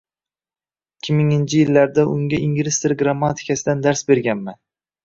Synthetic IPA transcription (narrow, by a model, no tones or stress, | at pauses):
ɪkʲʰːɪmɪŋɪnt͡ʃʰɪjɪlːaɾd̪aʔʊŋɡʲaʔɪŋɡʲɪɾɪst̪ɪɾɡɾamːat̪ʰɪ̥kʲʰasɪd̪and̪aɾsbe̞ɾɡʲanman